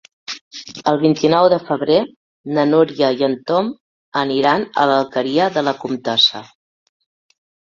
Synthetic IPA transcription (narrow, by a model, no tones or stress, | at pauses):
əlˠβint̪inɔwðəfəβ̞ɾe | nənuɾiəjənt̪om | əniɾanə̰ləlˠkəɾiəðələkumt̪ɔsə